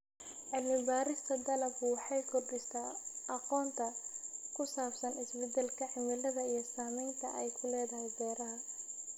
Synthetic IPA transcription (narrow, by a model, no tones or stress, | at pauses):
ʕɪlmɪbaːɾɪst̪ʰɐd̪ɐlɐfʊwɑħɑjkʰɔrdɪst̪ʰaːɑqɔːnt̪ʰɐkʰʊsaːbsɐnɪsbɛd̪ɛlkʰɐʕɪmɪlɐðɐijɞsaːmɛjnt̪ʰɐʔɛjkʰʊlɛːðɐɦɛjd̪ɛːɾɐɦɐ